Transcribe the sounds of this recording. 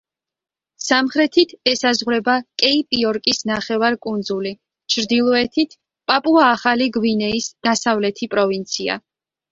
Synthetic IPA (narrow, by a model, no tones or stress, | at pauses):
samχɾɛt̪ʰit̪ʰɛsazʁɾɛbakʼɛipʼiɔɾkʼisnaχɛvaɾkʼund̪zuli | t͡ʃʰɾd̪ilˠɔɛt̪ʰit̪ʰ | pʼapʼuaːχaliɡwinɛisd̪̥asavlɛt̪ʰipʼɾɔvint̪sʰia̰